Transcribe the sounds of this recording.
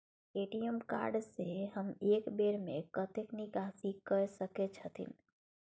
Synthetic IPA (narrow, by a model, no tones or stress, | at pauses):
eʈiəmka̰ɾɖseɦəmekbeɾmḛkət̪eknikasikəɾsəket͡ʃʰət̪ʰḭn